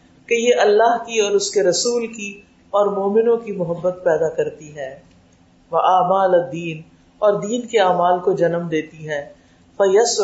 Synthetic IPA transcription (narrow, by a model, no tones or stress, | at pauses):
kejeʔɐlːaːɦkiɔːɾʊskeɾɐsuːlki | ɔːɾmoːmɪnõkimʊɦəbːət̪̚pɛːd̪akɐɾt̪iɦɛ̃ː | ʋɐʔaːmaːlɐd̪ːiːn | ɔːɾd̪iːnkeaːmaːlkod͡ʒɐnəmd̪eːt̪iɦɛ̃ː | fɐjɐs